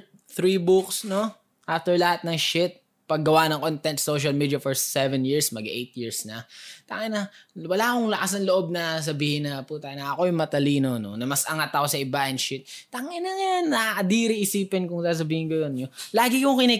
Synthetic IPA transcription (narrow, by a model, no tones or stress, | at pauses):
θɾiːbuksno̞ | ʔaft̪ɛɹlɐhat̪̚nɐŋʃɪt̪̚ | pɐɡːɐwanɐŋkont̪ɛnt̪soʃ̬ɐlmiːd̪ɐfoɹsɛvɛnjiɹsmɐɡaʔejt̪̚jiɹsnɐt̪aŋɪnɐwɐlakoŋlɐʔas̬ɐnloʔo̞b̚nɐs̬ɐbiːhɪnɐput̪anɐʔɐko̞jʊŋmɐt̪ɐliːnono̰nɐmɐsɐŋat̪ɐko̞sɐʔɪbaʔɪnʃɪt̪̚t̪ɐŋɪnɐŋanːɐʔɐd̪iɾɪʔɪsiːpɪnkʊŋsaːs̬ɐbiːhɪnɡɐj̪onɲolaːɡɪkʊŋkɪnɛ